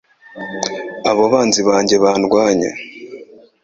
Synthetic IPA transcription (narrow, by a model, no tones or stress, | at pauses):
aβoβaːnziβaːɲɟe̞βaːnɡwaːɲḛ